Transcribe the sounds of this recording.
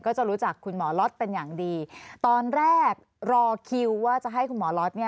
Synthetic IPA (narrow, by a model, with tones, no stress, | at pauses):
kɔː˥˩t͡ɕa˨˩ɾu˦˥t͡ɕa˨˩kʰːu˧nmɔː˩˦lɔ˦˥t̪̚pe˧njaː˨˩ŋdiː˧t̪ɔː˧nɾɛː˥˩k̚ | ɾɔː˧kʰi˧wwaː˥˩t͡ɕa˨˩ʔɦa˥˩jkʰu˧nmɔː˩˦lɔ˦˥t̪̚ni˥˩